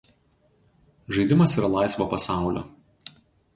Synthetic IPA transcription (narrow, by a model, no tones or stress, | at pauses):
ʒɐɪd̪ʲɪmɐsiːɾɐlˠɑɪsʋoːpɐsɑˑʊlʲo̰ː